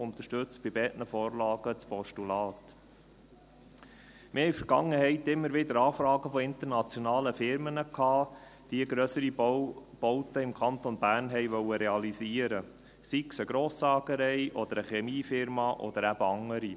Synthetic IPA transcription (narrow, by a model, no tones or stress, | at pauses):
ʊnt̪əʃtʏt͡stb̥ɪbɛːtnəfoːrlɑːɡ̥ət͡spɔʃtulɑːt̪ | mʔɪhɛifəɾɡ̥ɑŋːəhɛɪt̪ɪmːəɾʋɪd̪əɾɑːfɾɑːɡəfɔɪnt̪əɾnɑt͡sjɔnɑːləfɪɾmənəkʰhɑː | d̥iəɡɾœsəɾib̥ɔʊt̪əɪmkʰɑnt̪onbæːrnɦɛɪʋœwəɾɛɑliziːəɾə | siksəɡɾoːsɑːɡəɾɛɪʔɔd̪əɾəχɛmiːfɪɾmɑʔɔ̰d̪əɾæb̥əɑŋəɾi